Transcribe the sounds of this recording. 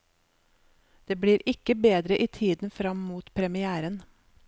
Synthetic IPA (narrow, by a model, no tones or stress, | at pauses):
d̪̥eːbɽiːɾɪkəbeːd̪ɾəʔiːt̪ʰiːd̪n̩fɾɑmmuːt̪pʰɾɛmɪæːɾən